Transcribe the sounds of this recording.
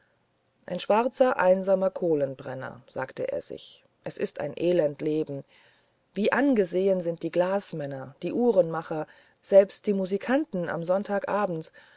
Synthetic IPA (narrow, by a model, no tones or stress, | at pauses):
ʔaɪnʃv̥aʁt͡sɐʔaɪnzaːmɐkʰoːlənbʁɛnɐ̰z̥a̰ːktəʔḛːɐzɪ̰ç | ʔɛsɪsta̰ɪnʔeːlɛntleːbm̩ | viːʔanɡəzeːənzɪnt̚d̥iːɡlaːsmɛnɐd̥iːʔuːʁənmaχɐ | z̥ɛlpst̚d̥iːmuːzikʰantn̩a̰mzɔntʰaːkʔaːbm̩t